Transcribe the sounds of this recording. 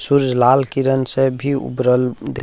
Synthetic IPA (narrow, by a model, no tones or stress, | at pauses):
suɾd͡ʒlaːlkiɾənsebʱiṵbɾəld̪e